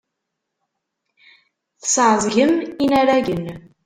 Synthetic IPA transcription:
θə̥sʕzˤʝəminæɾæʝən

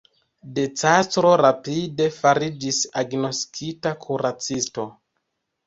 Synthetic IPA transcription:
de̞t͡sastɾo̞ɾapide̞faɾid͡ʒisaɡno̞skʰitakʰuɾat͡sisto̞

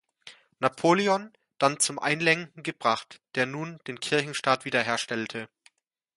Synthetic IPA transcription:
napʰoːliɔn | d̥ant͡sʊmʔa̰ɪnlɛŋkŋ̩ɡəbʁaχtd̥eːɐnuːnd̥eːnkʰɪɐçn̩ʃtaːtv̥iːdɐɦeːɐʃtɛltʰə

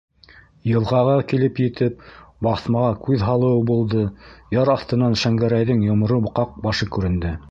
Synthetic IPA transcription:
jɤ̆lˠʁɑʁɑkilɘpjɘ̆t̪ɘp̚bɑθmɑʁɑkʉðɦɑlˠɤ̆wɤbulˠd̪ɤjɑɾɑθt̪ɤ̆nɑnʃæŋɡæɾæjðɘŋjŏmŏɾɤbqɑq̚bɑʃɤkʉɾɘ̆nd̪ɘ

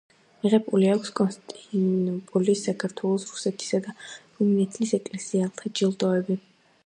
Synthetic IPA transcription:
miʁɛpʼuliakʷʰskʼɔnst̪ʼinupʼulisːakʰaɾt̪ʰwɛlˠɔsɾu̥sɛt̪ʰi̥sad̪a | umnɛt̪ʰlisɛkʼlɛsialˠt̪ʰad͡ʒilˠd̪ʼɔɛbi

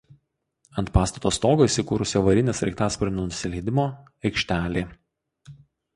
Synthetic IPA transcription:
ɐnt̪̚pɑːst̪ɐt̪oːst̪oːɡoːiːˑsʲɪkuːɾʊsʲʋɐɾʲɪnʲɛːsɾʲɛɪkt̪ɑːspɔɾʲɪnʲnʊsʲɪlʲɛɪd̪ʲɪmoː | ɛɪkʃʲt̪ʲæːlʲeː

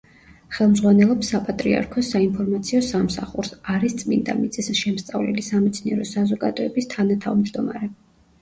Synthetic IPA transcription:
χɛlˠmzʁwanɛlˠɔpsapʼat̪ʼɾḭa̰ɾkʰɔsainpʰɔɾmat̪sʰiɔsamsaχuɾsaɾist̪sʼmḭnd̪a̰mit̪sʼɛsʃɛmst̪sʼa̰vlɛ̰lisamɛt̪sʰniɛɾɔsazɔɡa̰d̪ɔɛbist̪ʰanat̪ʰavmd͡ʒd̪ɔma̰ɾɛ

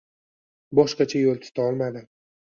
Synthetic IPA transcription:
bɒʃqɑt͡ʃʰajolˠt̪ʰɪ̥t̪ʰaɒlˠmad̪ɪ

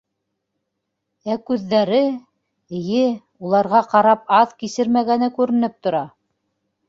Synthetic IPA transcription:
ækʉðːæɾɘ | ɘ̆jɘ | ulˠɑɾʁɑqɑɾɑp̚ɑðkisɘɾmæɡænɘkʉɾɘ̆nɘp̚t̪ŏɾɑ

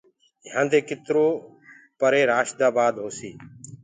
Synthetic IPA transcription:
jãːnd̪eːkɪt̪ɾoː | pəɾeːɾaːʃd̪aːbaːd̪ɦoːsiː

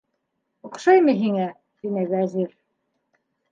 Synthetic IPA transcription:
uqʃɑjmɤɦiŋæ | t̪inɘβæziɾ

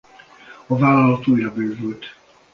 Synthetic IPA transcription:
ɒvaːlɒlɒt̪uːjɾɒbøːvylt̪

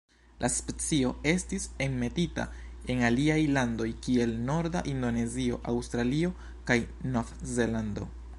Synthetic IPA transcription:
lʔaspe̞t͡sio̞e̞stisemme̞tita̰e̞naliajlando̞jkie̞lno̞ɾda̰ʔindo̞ne̞zio̞̰ʔawstɾalio̞ | kaj | nofze̞lando̞̰

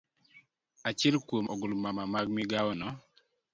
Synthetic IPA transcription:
at͡ʃɛlkwomɔɡʊlmamamaɡmiɡaɔnɔ

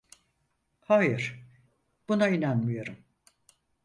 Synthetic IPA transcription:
hajɯɾ̥ | b̥unainanmijo̞ɾum

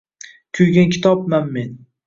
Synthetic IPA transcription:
kʲʰʊjɡʲankʲʰɪ̥t̪ʰɒpmanme̞n

